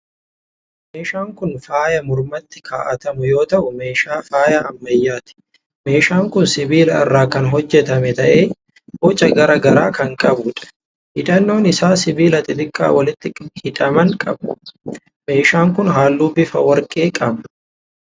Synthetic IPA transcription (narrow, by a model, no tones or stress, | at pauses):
meːʃaːŋkʊnfaːjɐmʊɾmɐt̪ːɪ̥kʰaːʔɐt̪ɐmʊjo̞ːt̪ɐʔʊme̞ːʃaːfaːjɐːmːɐjːaːt̪ɪ̥ | me̞ːʃaːŋkʊnsɪbiːlɐɪ̰rːaːkɐnɦɔd͡ʒːɛt̪ɐmɛt̪ɐʔeː | boːt͡ʃʼːɐɡɐɾɐɡɐɾaːkɐŋkʼɐbʊᶑɐ̥ | hɪᶑɐnːo̞ːnɪsaːsɪbiːlɐt̪ʼɪd̪ɪkʼːa̰ːwɐlɪt̪ːɪhɪᶑɐmɐŋkʼɐbɐ | me̞ːʃaːŋkʊnɦaːlːuːbɪfɐwɐɾkʼeːkʼɐbɐ